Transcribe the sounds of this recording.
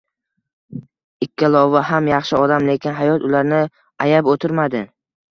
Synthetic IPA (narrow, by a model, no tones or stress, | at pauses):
ɪkʲːalˠɒvaɦamjɑχʃɪɒd̪amle̞kʲʰɪnɦajɒt̪ʊlaɾnɪ | ajabot̪ʰɪɾmad̪ɪ